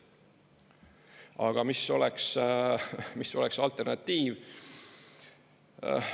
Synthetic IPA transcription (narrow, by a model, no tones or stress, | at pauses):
ɑ̰ɡ̥ɑmiso̞lɛks | miso̞̰lɛksɑlt̪ːˑe̞rnɑt̪ːiːv